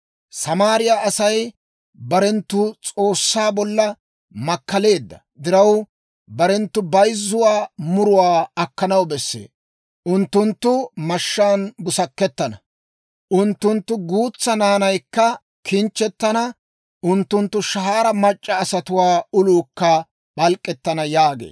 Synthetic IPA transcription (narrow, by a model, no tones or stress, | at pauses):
sɐmaːɾɪjaːɐsɐj | bɐɾɛnt̪ːʊt͡sʼo̞ːsːaːbɔlːɐ | mɐkːɐle̞ːd̪ːɐ | d̪ɪɾɐw | bɐɾɛnt̪ːʊbɐjzːʊwaːmʊɾʊwaːɐkːɐnɐwbɛsːḛː | ʔʊnt̪ːʊnt̪ːʊmɐʃːaːnbʊsɐkːɛt̪ːɐnɐ | ʔʊnt̪ːʊnt̪ːʊɡuːt͡sːɐnaːnɐjkːɐ | kʰɪnt͡ʃːɛt̪ːɐnɐ | ʊnt̪ːʊnt̪ːʊʃɐɦaːɾɐmɐt͡ʃʼːɐːsɐt̪ʊwaːʊluːkːɐ | ɓɐlkʼːɛt̪ːɐnɐjaːɡḛː